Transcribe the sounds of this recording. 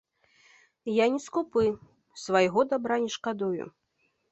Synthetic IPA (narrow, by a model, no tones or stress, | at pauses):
janʲɛskupɨ | svajɣɔd̪abɾanʲɛʂkad̪ujṵ